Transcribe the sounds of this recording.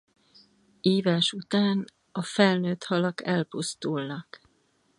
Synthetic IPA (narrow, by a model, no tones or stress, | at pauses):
eːvaʃut̪aːn | ɒfɛlnøːt̪hɒlɒkɛlpust̪ulnɒk